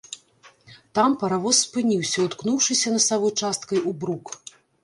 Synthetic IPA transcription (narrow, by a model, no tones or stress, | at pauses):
t̪ampɐɾavɔsːpɨnʲiwsʲɐut̪knuwʂɨsʲɐnɐsavɔt͡ʂast̪kɐjubɾuk